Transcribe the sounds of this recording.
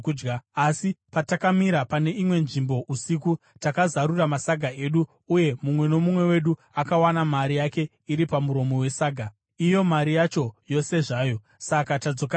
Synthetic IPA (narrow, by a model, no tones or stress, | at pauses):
d͡ʒɡaasipatakamiɾapane̞imwe̞nʐimbo̞ʔusiku | takazaɾuramasaɡʱae̞ɗu | uje̞mumwe̞no̞mumwe̞we̞ɗu | akawanamaɾijake̞ | iɾipamuɾo̞mo̞we̞saːɡʱa | ijo̞maɾijat͡ʃo̞jo̞se̞ʐaːjo̞ | sakatad͡zo̞ka